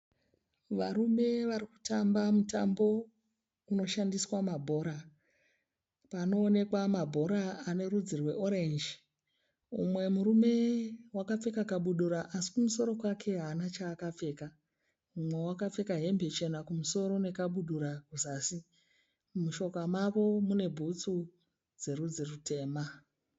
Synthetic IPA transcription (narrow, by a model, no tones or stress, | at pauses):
ʋaɾume̞ʋaɾiku̥tambamuta̰mbo̞ | uno̞ʃandiswamabʱo̞ɾa | pano̞ːne̞kwamabʱo̞ɾaane̞ɾud͡zirwe̞ʔo̞ɾend͡ʒi | ṵmwe̞muɾume̞wakap͡fe̞kakaɓuɗuɾaʔasi̥kumuso̞ɾo̞kwakʰe̞ɦaːnat͡ʃaːkap͡fe̞ːka | umwe̞wakap͡fe̞kaɦe̞mbʱe̞t͡ʃe̞nakumuso̞ɾo̞ne̞kaɓuɗuɾakuzaːsi | muʃo̞kamaʋo̞mune̞bʱut͡su | d͡ze̞ɾud͡zirutʰe̞ːma